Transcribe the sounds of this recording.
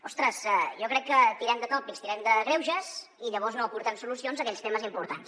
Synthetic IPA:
ɔst̪ɾəsɛʒɔkɾɛkːət̪iɾɛmd̪əkɔpist̪iɾɛmd̪əɣɾɛwʒəz | iʎəβɔznoːpuɾt̪ɛmsulusionzəkɛʎst̪ɛməzimpuɾt̪ans

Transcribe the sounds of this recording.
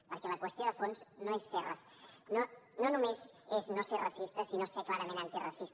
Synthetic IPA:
pəɾkɛləkwəst̪joðəfonznoesːerəs | nononumezeznoserɐsist̪əsinoseklaɾəmẽnant̪irɐsist̪

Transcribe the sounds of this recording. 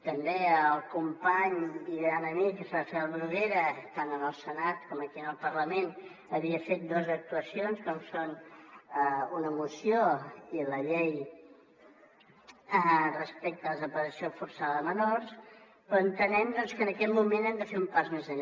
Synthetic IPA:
t̪əmbeəlˠkumpaɲiβɾanəmikəsafɛlˠβɾuɣeɾət̪anənəlˠsənat̪kɔməkiənəlˠpərləmen | əβiəfet̪̚d̪ɔzək̚t̪uəsionskɔmsonəunəmusioiləʎej | ərəspɛk̚t̪ələzəpəɾəsiofuɾsaðmənors | pɾɔənt̪ənɛmd̪ɔnskənəkɛt̪mumenɛmd̪əfeumpazmezəʎ

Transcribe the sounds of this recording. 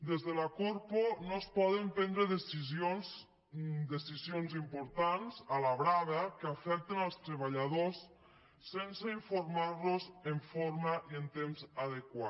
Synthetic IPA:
d̪ezðelakoɾponospɔðempɛnd̪ɾeðesizons | d̪esizionzimpoɾt̪anzalaβɾaβakeafɛk̚t̪enalˠst̪ɾeβ̞aʎað̞osː | enseiɱfoɾmaɾlozeɱfoɾmaʔient̪emzaðekwa

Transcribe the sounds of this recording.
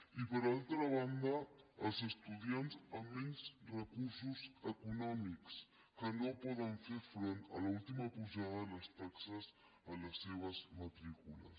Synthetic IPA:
ipəɾalt̪ɾəβ̞and̪əəlˠzəst̪uðjanzəmːɛnzrəkuɾsuzəkunɔmiks | kənopɔðəɱfeɾfɾont̪ə̰lult̪iməpuʒaðələst̪aksəz | ələsːeβəzmət̪ɾikulə̰s

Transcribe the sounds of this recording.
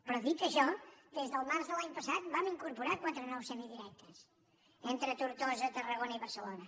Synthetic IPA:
pɾɔðit̪əʃɔd̪ezðəlˠmaɾzðəlaɲpəsat̪̚bamiŋkuɾpuɾakwat̪ɾənɔwsɛmiðiɾɛk̚t̪ʰəs | ent̪ɾət̪uɾt̪ɔzət̪ərəɣonəiβəɾsəlonə

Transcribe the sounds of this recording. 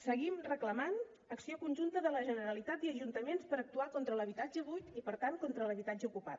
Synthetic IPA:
səɣimrəkləman | əksiokunʲʒunt̪əðələʒənəɾəlit̪at̪iəʒunt̪əmenspəɾək̚t̪uakont̪ɾələβit̪ad͡ʒəβujt̪ipəɾt̪aŋkont̪ɾələβit̪ad͡ʒəukupa̰t̪

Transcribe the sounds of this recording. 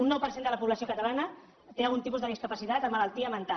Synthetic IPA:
unːɔwpəɾsend̪ələpuβləsiokət̪əlanə | t̪ealˠɣunt̪ip̬uzðəð̞iskəpəsit̪at̪əməlalˠt̪iəmənt̪a

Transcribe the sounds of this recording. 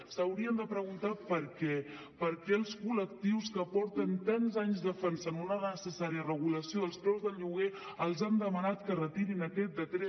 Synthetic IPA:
səwɾiənd̪əpɾəɣ̞unt̪apəɾkɛ | pəɾkɛəlˠskulək̚t̪iwskəpɔɾt̪ənt̪anzaɲzd̪əfɛnsənunənəsəsaɾiərəɣuləsioðəlˠst̪ɾɛwzðəlʎuɣe | əlˠzand̪əmənat̪kərət̪iɾinəkɛt̪̚d̪ət̪ɾɛ

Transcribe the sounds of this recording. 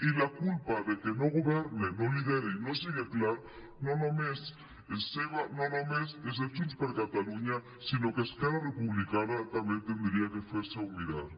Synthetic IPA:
ilakulpaðekeno̞ɣoβeɾneno̞liðeɾeino̞siɣeklaɾo | nonomes | eseβanonomeses̬et͡ʃunspeɾkat̪aluɲa | sino̞keskeɾarepuβlikanat̪amjent̪end̪ɾiakefweseaumiða̰ɾ

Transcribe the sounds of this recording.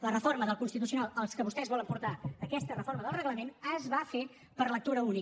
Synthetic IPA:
lərəfoɾməðəlˠkunst̪it̪̬usiunalˠəlˠskəβust̪ɛzβɔləmpuɾt̪aəkɛst̪ərəfoɾməðəlˠrəɣləmenəzβafe | pəɾlək̚t̪uɾəuni

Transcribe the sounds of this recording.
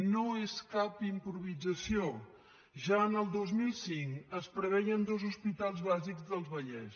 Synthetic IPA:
noeskapimpɾuβ̞id͡zəsio | ʒaənəlˠd̪ozmilˠsiŋkəspɾəβɛjənd̪ozuspit̪alˠzβaziɡzðəlˠzβəʎɛs

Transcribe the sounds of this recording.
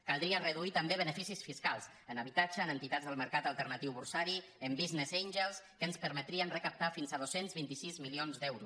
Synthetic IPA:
kalˠd̪ɾiərəðuit̪əmbeβ̞ənəfisisfiskalˠs | ənəβit̪ad͡ʒəːnənt̪it̪add͡zðəlˠməɾkat̪əlˠt̪əɾnət̪iwβulsaɾi | əmbiznezejnʲʒəlˠskənspəɾmət̪ɾiənrəkəp̚t̪afinzað̞osenzβint̪isizmilionzd̪ɛwɾus

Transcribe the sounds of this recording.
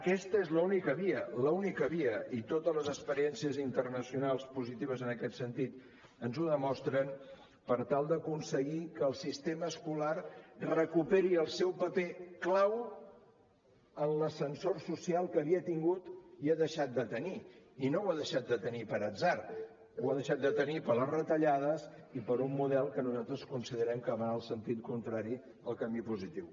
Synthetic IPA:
əkɛst̪əezləunikəβiələunikəβiəʔit̪ot̪əzləzəkspəɾiɛnsiəzint̪ərnəsiunalˠspuzit̪iβ̞əzənəkɛt̪sənt̪it̪ | ənzuðəmɔst̪ɾən | pəɾt̪alˠd̪əkunsəɣikəːlˠsist̪eməːskularrəkupeɾiəlˠsɛwpəpeklaw | ənləsənsorsusialˠkəβiət̪iŋɡut̪iaðəʃat̪̚d̪ət̪əniinowaðəʃat̪̚d̪ət̪ənipəɾəd͡zzar | waðəʃat̪̚d̪ət̪ənipələrət̪əʎaðəsipəɾumːuðɛlˠkənuzat̪ɾəskunsiðəɾɛmkəβaəlˠsənt̪it̪kunt̪ɾaɾi | əlˠkəmipuzit̪iw

